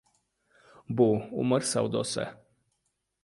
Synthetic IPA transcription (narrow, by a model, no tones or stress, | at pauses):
buṵmərʲsa̰wd̪osḛ